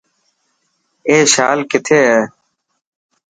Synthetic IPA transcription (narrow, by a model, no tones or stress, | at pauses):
eːʃaːlkɪt̪ʰeːɦɛː